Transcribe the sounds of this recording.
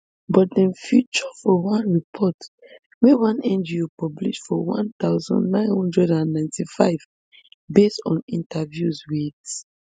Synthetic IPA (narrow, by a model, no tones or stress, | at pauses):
bɔtdɛ̃nfjut͡ʃɔfɔwãnɹipʰɔt | wewãnɛ̃nd͡ʒiopɔblḭʃfɔwã̰nt̪aʊzɔ̰̃ndnãɪ̃nhɔ̃ndɹɛdãnːãɪ̃ntifa̰ɪv | bestɔ̰̃nĩntʰavjuzwid